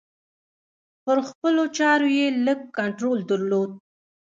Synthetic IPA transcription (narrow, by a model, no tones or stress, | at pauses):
pəɾxpəlot͡ʃɑɾojeləɡ̚kaɳʈɾold̪əɾlod̪̚